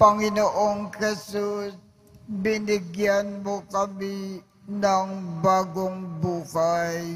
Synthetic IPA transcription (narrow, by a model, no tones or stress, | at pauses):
pɐŋɪnoʔoŋhɛsus | bɪnɪɡjanmokɐmi | nɐŋbaːɡoŋbuːhaj